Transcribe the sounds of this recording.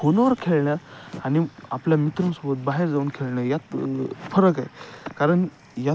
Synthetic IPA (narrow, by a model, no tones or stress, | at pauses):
konəʋəɾkʰeɭɳjaːniapljamit̪ɾə̃msobət̪̚baɦeɾd͡zauːnkʰeɭɳjajat̪fəɾəkajekaɾəɳ | ja